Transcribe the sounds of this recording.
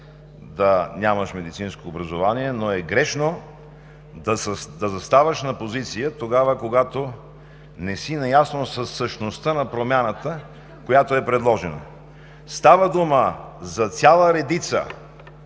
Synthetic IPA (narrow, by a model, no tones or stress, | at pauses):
d̪ɐnʲamɐʃmɛd̪it̪sinskoːbɾɐzovaniɛnoɛɡɾɛʃno | d̪ɐsd̪ɐzɐst̪avəʃnɐpozit̪sijət̪oɡavəkoɡat̪o | nɛsinɐjasnosəsːəʃnost̪ənɐpɾomʲjanət̪ə | kojat̪oɛpɾɛd̪lˠɔʒɛnɐ̰ | st̪avəd̪uməzɐt̪sʲalˠəɾɛd̪it̪sə̰